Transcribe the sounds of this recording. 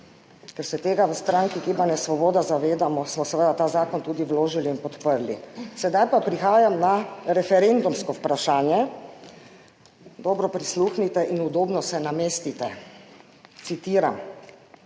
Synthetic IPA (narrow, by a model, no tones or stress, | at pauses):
kɛɾsɛt̪eːɡaʋəst̪ɾaːŋkiɡibanɛsʋɔbɔːd̪azaʋeːd̪amɔsmɔsɛʋəd̪at̪aːzaːkɔnt̪uːd̪iʋloːʒiliːnpɔt̪pəɾlḭsɛd̪ajpapɾixaːjamnaɾɛfɛɾend̪umskɔwpɾaʃaːnjɛ | d̪ɔːbɾɔpɾisluːxnit̪ɛʔinud̪oːbnɔsɛnameːst̪it̪ɛ | t̪sit̪iːɾam